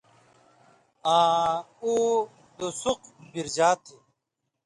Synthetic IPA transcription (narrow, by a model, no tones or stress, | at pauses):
ãː | uː | d̪osuqbiɾd͡ʑaːt̪ʰe